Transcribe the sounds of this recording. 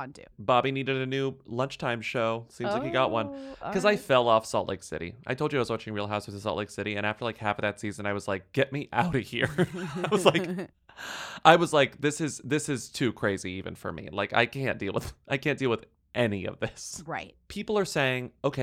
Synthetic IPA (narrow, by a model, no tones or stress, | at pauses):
dʉ̰b̥ɑbiniɾɨɾɨnʉlʌ̃nt͡ʃtʰãɪ̃mʃoʊsĩmzaɪkhiɡɑʔ̚wʌ̃nkʰʌzaɪfɛlˠɔfsɔ̰lˠʔlḛɪksɪ̰ɾḭʔa̰ɪtʰoʊlˠd͡ʒɨaɪwʌzwɑt͡ʃɪ̃ŋɹilˠɦaʊswðəsɔ̰lʔˡleɪksɪɾiɨ̃ɾ̃æftə˞laɪkhæfʌvðɨtsizɨ̃naɪwʌz̥laɪk̚ɡ̥ɛt̚miʔa̰ʊɾɨhiɹaɪwʌzlaɪk | ʔaɪwʌzlaɪk̚ðɪsɨzðɪsɨz̥tʰʉkʰɹ̥eɪziivɨ̰̃nfə̰˞mḭla̰ɪka̰ɪkʰæ̰̃nd̥ilˠwə̰ð̥ʔaɪkʰæ̃nd̥ilˠwɨð | ʔɛniʌ̰vðɪsɹaɪt̚pʰipl̩ˠə˞seɪɪ̃ŋoʊkʰeɪ